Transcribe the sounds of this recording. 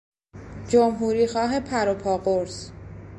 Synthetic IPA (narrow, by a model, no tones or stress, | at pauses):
d͡ʒomɦuːɾiːxɒːɦepʰæɾopʰɒːɢoɾs